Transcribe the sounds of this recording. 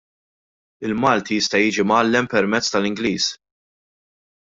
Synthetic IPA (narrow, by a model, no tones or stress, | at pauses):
ɪlmɐːlt̪ijɪst̪ɐjiːd͡ʒimɐːlːɛmpɛɾmɛt͡sːt̪ɐlɪŋɡliːs